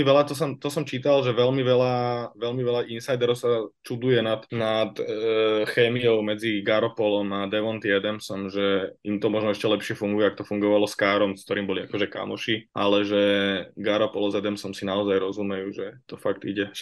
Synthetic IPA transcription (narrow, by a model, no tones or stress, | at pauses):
iʋɛlat̪ɔs̬ɔmt̪ɔsɔmt͡ʃiːt̪alʒɛʋɛlmiʋɛlaʋɛlmiʋɛlaʔinsajd̪ɛɾɔʊsat͡ʃud̪ujɛnat̪nat̪ | xɛːmiɔʊmɛd͡ziɡaɾɔpɔlɔmad̪ɛʋɔnt̪jɛd̪ɛmsɔmʒɛimt̪ɔmɔʒnɔɛʃcɛlɛpʃɪɛfuŋɡujɛakt̪ɔfuŋɡɔʋalɔskaːɾɔmsk̚t̪ɔɾiːmbɔliakɔʒɛka̰mɔʃialɛʒɛɡaɾɔpɔlɔzɛd̪ɛmsɔmsinaɔzajɾɔzumɛjuʒɛt̪ɔfaɡt̪ḭɟɛ